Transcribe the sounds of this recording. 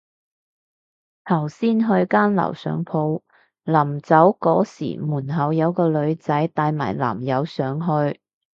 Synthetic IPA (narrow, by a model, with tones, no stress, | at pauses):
t̪ʰɐ˨˩wsiː˥nɦɵ˧ɥkaː˥nlɐ̰˨˩wsœ̰ː˨˥ŋpʰo˨˥w | laː˨˩mt͡sɐ˨˥wkɔː˨˥sḭː˨˩muː˨˩nɦɐ˨˧wjɐ˨˧wkɔː˧lɵ˨˧ɥt͡sɐ˨˥jt̪aː˧jma̰ː˨˩jla̰ː˨˩mjɐ˨˧wsœː˨˥ŋɦɵ˧ɥ